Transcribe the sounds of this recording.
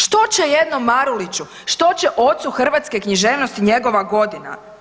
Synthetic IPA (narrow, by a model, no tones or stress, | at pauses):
ʃt̪o̞t͡ɕejed̪nomːaɾulit͡ɕu | ʃt̪o̞t͡ɕeʔo̞t̪suxr̩ʋat̪ske̞kɲiʒe̞ːʋnost̪iɲe̞ɡo̞ʋaɡo̞d̪ina̰